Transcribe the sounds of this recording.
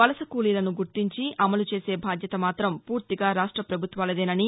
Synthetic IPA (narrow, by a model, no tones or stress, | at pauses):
ʋɐlɐsɐkuːlilɐnuɡuɾt̪iɲt͡ʃiʔɐmɐlut͡ʃe̞ːse̞ːbʱaːd̪jɐt̪ɐmaːt̪ɾɐmpuːɾt̪iɡaːɾaːʂʈɾɐpɾɐbʱut̪ʋaːlɐd̪eːnɐni